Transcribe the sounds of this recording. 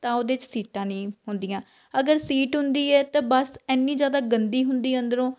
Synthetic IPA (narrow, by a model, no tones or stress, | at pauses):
t̪ãːod̪eːt͡ʃsiːʈãːnĩːɦʊnd̪iːãː | əɡəɾsiːʈɦʊnd̪iːɛːt̪ãːbəsɛːnːĩːd͡ʒjaːd̪aːɡənd̪iːɦʊnd̪iːə̃nd̪əɾõː